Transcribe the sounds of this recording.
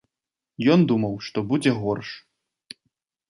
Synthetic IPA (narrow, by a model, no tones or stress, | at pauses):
jɔnd̪umɐwʂt̪ɔbud͡zʲɛɣɔrʂ